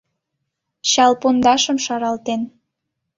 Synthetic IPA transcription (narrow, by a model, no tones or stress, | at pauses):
ɕɑlpond̪ɑʃəmʃɑɾɑlt̪en